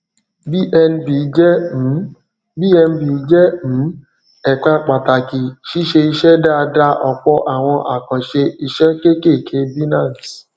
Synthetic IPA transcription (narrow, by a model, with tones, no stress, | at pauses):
bi˦˨ʔɛ˧n˦bi˨˦d͡ʒɛ̃˦˨˦ | bi˦ɛ˧n˦bi˨˦d͡ʒɛ˦m̩̃˨˦ | ɛ˨k͡pa˧k͡pa˨ta˨ki˨ʃi˦ʃe˧i˧ʃɛ˦da˦a˧da˧ʔɔ˨k͡pɔ˧˦ʔa˨w̃ɔ̃˧ʔa˨kɔ̃˨ʃe˧i˧ʃɛ˦ke˦ke˦˨kʰe˧bi˦nã˦˨t